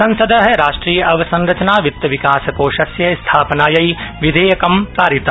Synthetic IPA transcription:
sɐ̃nsɐd̪ʱɐɦɛɾaːʃʈɾiːjɐʔɐʋɐsɐ̃nɾɐt͡ʃɐnaːʋɪt̪ːɐʋɪkaːsɐkoːʃɐsjɐst̪ʰaːpnaːjɐiʋid̪ʱeːjɐkɐmpɾaːɾit̪ɐ

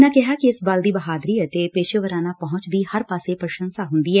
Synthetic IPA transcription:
nãːkɪɦaːkiɪsbəld̪iːbəɦaːd̪ɾiːət̪epeːʃəʋəɾaːnaːpəɦʊ̃t͡ʃd̪iːhəɾpaːseːpɾəʃə̃nsaːɦʊnd̪iːɦɛː

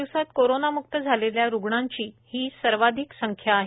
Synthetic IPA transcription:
iwsat̪koɾonamuk̚t̪əd͡zʱaleljaɾuɡɳaɲt͡ɕiːhiːsəɾʋad̪ʱiksəŋkʰjaːɦ

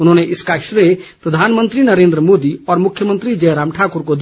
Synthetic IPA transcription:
ʊnɦõːneʔɪskaːkʃɾepɾɐd̪ʱaːnmə̃nt̪ɾinɐɾẽːnd̪ɾəmoːd̪iɔːɾmʊkʰːjəmə̃nt̪ɾid͡ʒɛːɾaːmʈʰaːkʊɾkod̪

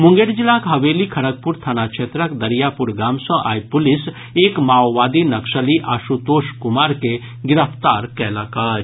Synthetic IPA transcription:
mʊ̃ŋɡeɾd͡ʒɪlakɦɐʋeːlikʰɐɽək̚pʊɾt̪ʰanakʃʰeːt̪ɾəkd̪ɐɾijapʊɾɡaːmsɔ̃ʔa̰ːipʊlɪs | eːkmaːwʋaːd̪inɐkʃəliʔaːʃut̪oːʃkʊmaːɾke | ɡɪɾəpʰt̪aːɾkɛːlaːkaːɾ

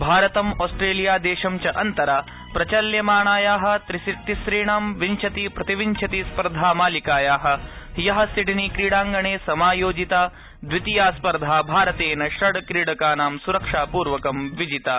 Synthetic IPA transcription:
bʱaːɾɐt̪ɐmoːsʈɾeːlijaːd̪eːʃɐmt͡ʃɐʔɐnt̪ɐɾaː | pɾɐt͡ʃɐljɐmaːɳaːjaːɦɐ̆t̪ɾisit̪ːisɾiːɳaːmʋiɲt͡ʃʰɐt̪ipɾɐt̪iʋiɲt͡ʃʰɐt̪ispɐɾd̪ʱaːmaːlikaːjaːɦɐ̆ | jɐɦɐ̆siʈinikɾiːɽaːŋɡɐɳeːsɐmaːjoːd͡ʒit̪aː | d̪ʋit̪ijaːspɐɾd̪ʱaːbʱaːɾɐt̪eːnɐʃɾɐɽkɾiːɽɐkaːnaːmsuɾɐkʂaːpuːɾʋɐkɐmʋid͡ʒit̪aː

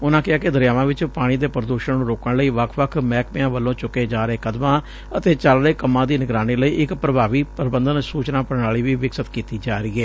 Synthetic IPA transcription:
ʊnãːkɪaːkɪd̪əɾjaːʋãːʋɪt͡ʃpaːɽ̃iːd̪eːpəɾəd̪oːʃənnũːɾoːkəɳləiːʋəkʰʋəkʰmɛːkmɪ̃jãːʋəlːõːt͡ʃʊkeːd͡ʒaːɾəeːkəd̪mãː | ət̪eːt͡ʃəlɾeːkəmːãːd̪iːnɪɡɾaːniːləiːʔɪkpɾəbʱaːʋiːpəɾbənd̪ənsuːt͡ʃnãːpəɳaːɭiːʋiːʋɪksət̪kiːt̪iːd͡ʒaːɾiːeː

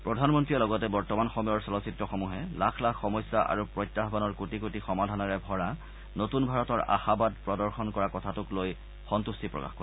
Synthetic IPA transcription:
pɹɔdʱanmɔntɹiɛlɔɡɔtɛbɔɹtɔmanxɔmɔjɔɹsɔlɔsitɹɔxɔmuɦɛlakʰlakːɔmɔjsːaʔa̰ɹupɹɔjtːaɦbanɔɹkutikutixɔmadʱanɔɹɛbʱɔɹa | notunbʱaɹɔtɔɹa̰xabadpɹɔdɔɹxɔnkɔɹakɔtʰatʊkloj | xɔntustipɹɔ̰ka̰xkɔ

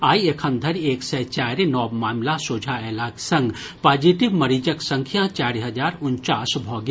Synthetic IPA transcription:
aːiekʰənd̪ʱəɾeːksɛt͡ʃaːɾinɔːbmaːmlasoːd͡ʒʱaeːlaːksɐ̃ŋɡ | paːd͡ʒiʈibmɐɾid͡ʒəksə̃ŋkʰijãt͡ʃaːɾiɦɐd͡ʒaːɾʊnt͡ʃaːsbʱɔːɡi

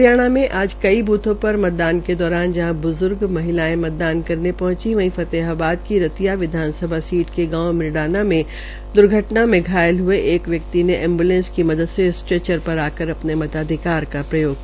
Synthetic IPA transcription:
ɾjaːɽ̃amẽʔaːd͡ʒkɐibuːt̪õpɐɾmɐt̪̚d̪aːnked̪ɔːɾaːnd͡ʒɐɦãbʊzʊɾɡmɐɦɪlaːẽmɐt̪̚d̪aːnkɐɾnepɐɦʊ̃t͡ʃiʋɐ̃ĩfɐt̪eɦabaːd̪kiɾɐt̪ijaʋɪd̪ʱaːnsəbʱasiːʈkeɡãːmɪɾɽaːnamẽ | d̪ʊɾɡʱəʈnamẽɡʱaːjəlɦʊeʔeːkʋjɐk̚t̪ineʔɛ̃ːmbuːlẽnskimɐd̪əd̪sesʈɾeːt͡ʃəɾpɐɾaːkəɾɐpnemɐt̪aːd̪ʱɪkaːɾkapɾɐjoːɡ

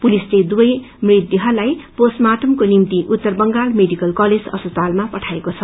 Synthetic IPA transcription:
pulisled̪ubʌj | mrit̪jʌɦʌlajposmaʈʌmkonimt̪iʔut̪ːʌrbʌŋɡalmeɖikʌlkʌled͡zʌ̰spʌt͡salmapʌʈʰaekot͡sʰʌ

